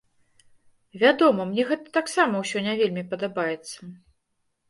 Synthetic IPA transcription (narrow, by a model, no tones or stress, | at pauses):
vʲad̪ɔmɐmnʲɛɣɛt̪ə̥t̪aksamɐwsʲɔnʲavʲelʲmʲipɐd̪abajɛt̪sːɐ